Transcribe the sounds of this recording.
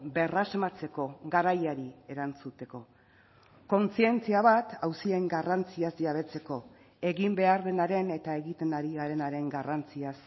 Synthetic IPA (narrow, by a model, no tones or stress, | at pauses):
be̞razmat͡se̞ko̞ɡaɾajaɾie̞ɾant͡sut̪e̞ko̞ | ko̞nt͡sie̞nt͡siaβat̪awsie̞ŋɡarant͡siazʎaβ̞e̞t͡se̞ko̞ | e̞ɣimbe̞aɾðe̞naɾe̞ne̞t̪ae̞ɣit̪e̞naɾiaɾe̞naɾe̞ŋɡarant͡sias